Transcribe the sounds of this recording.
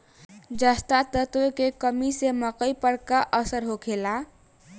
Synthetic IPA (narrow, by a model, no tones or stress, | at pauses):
d͡ʒəst̪at̪ət̪okekəmiseməkəjpəɽkaʔəsəɾɦokʰela